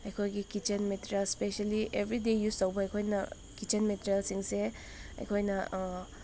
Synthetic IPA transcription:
ɐjkʰojɡikit͡ʃenmeteɾijalspesaliebʱɾidejustɐwbɐɐjkʰojnɐ̰ | kit͡ʃenmeteɾialsiŋse | ɐ̰jkʰojnɐ

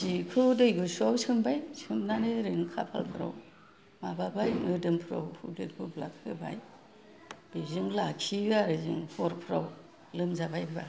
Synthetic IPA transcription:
zikʰɯdɯjɡusawsʰɯmbajsɯmnanɯɾɯŋkʰa̰pʰa̰lpʰɯɾa̰w | mababajŋɯdɯmpʰɯɾa̰whʰudɯ̰dɡubla̰kʰɯba̰j | bizɯŋlakʰiɡaɾɯzɯ̰ŋhɔɾpʰɾaw | lɯmzabajbiba

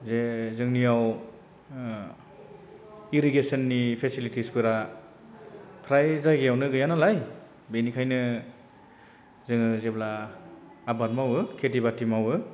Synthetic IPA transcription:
zezɯŋnijaw | iɾiɡesɯnːipʰesilitispɯɾa | pʰɾajzajɡejawnɯɡɯjanalaj | benikʰajnɯ | zɯŋɯzebla | abanmawɯkʰetibatimawɯ

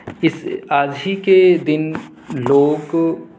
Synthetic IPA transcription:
ɪsaːd͡ʒiked̪ɪn | loːɡ

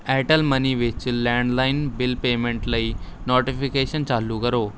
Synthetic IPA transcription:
ɛʈəlməniʋɪt͡ɕlɛ̃ɳɖlaɪnbɪlpeːmẽɳʈlai | nɔʈifʰikeɕənt͡ɕaːlːukəɾoː

